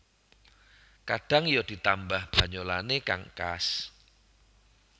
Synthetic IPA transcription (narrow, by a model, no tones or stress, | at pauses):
kaɖ̥a̤ŋjɔd̥i̤t̪ambahb̥a̤ɲolaneka̰ŋkas